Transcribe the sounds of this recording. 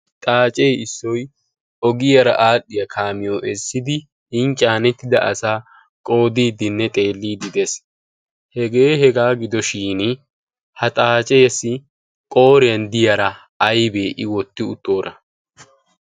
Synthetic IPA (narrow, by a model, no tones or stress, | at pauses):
t̪ʼaːt͡ʃʼeːɪsːɔj | ɔɡɪjɐɾɐ̰ʔaːɗːɪjɐkʰaːmɪjoːʔɛsːɪd̪ɪ | ɪnt͡ʃʼaːnɛt̪ːɪd̪ɐʔɐsaː | kʼo̞ːd̪iːd̪ɪnːɛt̪ʼe̞ːlːiːd̪ɪd̪es | hɛɡe̞ːɦɛɡaːɡɪd̪ɔʃiːnɪ | hɐt̪ʼaːt͡ʃʼeːsːɪ | kʼo̞ːɾɪjɐnd̪ɪjɐɾɐ | ɐjbe̞ːʔɪwɔt̪ːɪʊt̪ːo̞ːɾɐ